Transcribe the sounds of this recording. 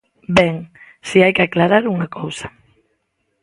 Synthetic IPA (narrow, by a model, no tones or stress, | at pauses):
bɛŋ | siajkɪaklaɾaɾuŋakʰowsḁ